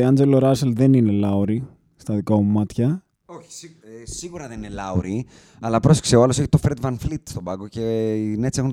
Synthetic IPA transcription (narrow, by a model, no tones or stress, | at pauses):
ɐnd͡ze̞lo̞ɾɐselðe̞nine̞lɐuɾi | st̪ɐðikɐmumɐt̪çɐ | oçi̥si | siɣuɾɐðeninelɐuɾi | ɐlɐpɾosi̥kseoɐlo̞se̞çi̥t̪ofɾed̪vɐnflit̪st̪o̞bɐɡoce̞inet͡sie̞xun